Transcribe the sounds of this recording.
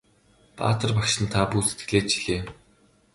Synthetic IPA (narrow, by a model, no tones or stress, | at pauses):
pa̰ːt̪ə̆rpakʃɪ̆nt̪ʰapuːset̪̚ɡɘ̆ɮeːt͡ɕiɮeː